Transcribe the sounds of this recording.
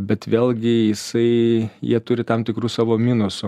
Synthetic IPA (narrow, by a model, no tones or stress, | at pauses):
bʲɛt̪ʋʲeːlʲˠɡʲɪjɪsɐɪjiɛt̪ʊɾʲɪt̪ɐmt̪ʲɪkɾuːsɑːʋoːmʲiːnʊsʊ